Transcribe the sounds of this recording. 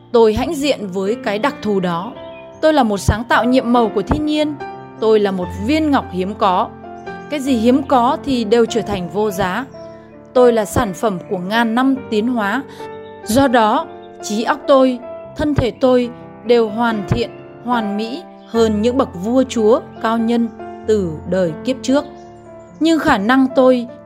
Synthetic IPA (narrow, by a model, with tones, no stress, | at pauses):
t̪o˧jɦa̰˧˥jŋ̟zḭ˧˨ənvəː˨˦jkaː˨˦jɗa˨˩k̚t̪ʰu˨˩ɗɔ˨˦ | t̪o˧jlaː˨˩mo˨˩t̚saː˨˦ŋt̪a̰ː˧˨wɲḭ˧˨əmːə˨˩wku˧˩ət̪ʰi˧ɲi˧ən | t̪o˧jlaː˨˩mo˨˩t̚vi˧ənŋa˨˩wk͡p̚hi˨˦əmkɔ˨˦ | kaː˨˦jzi˨˩ɦi˨˦əmkɔ˨˦t̪ʰi˨˩ɗe˨˩wt͡ɕəː˧˩t̪ʰa˨˩jŋ̟vo˧zaː˨˦ | t̪o˧jlaː˨˩saː˧˩nfə˧˩mku˧˩əŋaː˨˩nːa˧mt̪i˨˦ənɦwaː˨˦ | zɔ˧ɗɔ˨˦ | t͡ɕi˨˦ʔa˦˥wk͡p̚t̪o˧jt̪ʰə˧nt̪ʰe˧˩t̪o˧j | ɗe˨˩wɦwaː˨˩nt̪ʰḭ˧˨ən | hwaː˨˩nmḭ˧˥ | həː˧nɲɨ̰˧˥ŋɓə˨˩k̚vu˧ət͡ɕu˨˦əkaː˧wɲə˧nt̪ɨ˨˩ɗəː˨˩jki˦˥əp̚t͡ɕɨ˦˥ək̚ | ɲɨ˧ŋxaː˧˩na˧ŋt̪o˧j